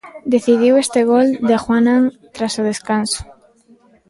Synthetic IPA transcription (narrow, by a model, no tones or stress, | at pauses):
d̪eθiðiwest̪eɣ̞old̪axwanãnt̪ɾasoð̞eskanso̥